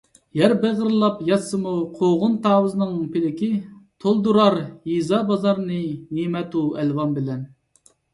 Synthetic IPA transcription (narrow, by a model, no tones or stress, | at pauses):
jæɾbeʁəɾlˠɑpjɑsːɨmuqʰoʁʊnt̪ʰɑːwɨzɨnɨnɨŋpʰɪlɪkʲit̪ʰolˠd̪uɾɑɾjizɑbɑzɑɾnɨnimɛt̪uɛlwɑnbɪlɛn